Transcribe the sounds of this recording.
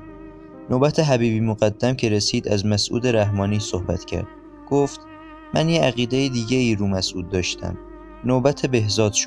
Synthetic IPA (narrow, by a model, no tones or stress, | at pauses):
nobæt̪ʰe̞ɦæbiːbiːmoɣæd̪ːæmcʰe̞ɾesiːd̪æzmæsʔṵːd̪e̞ɾæɦmɒːniːsohbæ̰t̪ʰcʰæ̰ɾd̪̥ | ɡ̥oːft̪ | mænjeæɣiːd̪ejid̪iːɟeiːɾuːmæsʔuːd̪̚ːɒːʃt̪ʰæ̰m | nobæt̪ʰebehzɒːd̪̥ʃ